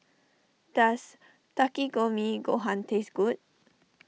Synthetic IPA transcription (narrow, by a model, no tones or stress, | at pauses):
d̪̥as | takiɡomiɡoɦãntʰesɡut̚